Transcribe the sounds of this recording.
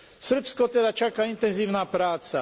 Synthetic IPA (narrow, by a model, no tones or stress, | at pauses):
sr̩pskɔt̪ɛd̪at͡ʃakaːint̪ɛnziːʊnaːpɾaːt͡sa